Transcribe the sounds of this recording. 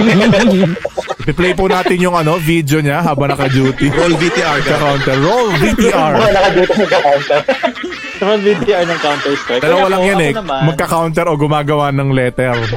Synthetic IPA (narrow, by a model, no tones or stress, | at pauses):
ɪpɪplɛjpʊnaːt̪ɪnjʊŋɐno̞vid̪joɲaɦaːbɐŋnɐkɐd͡ʒuːt̪ɪolvit̪iaɐɡkːɐkawnt̪ɛɾːolvit̪iːʔaɹabɐnɐkɐd͡ʒuːt̪ɪmɐɡ̚kɐkawnt̪ɛɾ | ɐɾolvit̪iːʔɐɹnɐŋkawnt̪ɛɹst̪aalɐwɐlaŋjɐnɛnmɐɡkːɐkawnt̪ɛɾo̞ɡʊmaːɡɐwanɐŋlɛːt̪ɛɾ